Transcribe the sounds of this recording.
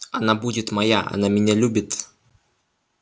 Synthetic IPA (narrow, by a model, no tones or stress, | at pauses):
ɐnabudʲɪt̪mɐjaɐ̰namʲɪnʲalʲubʲɪt̪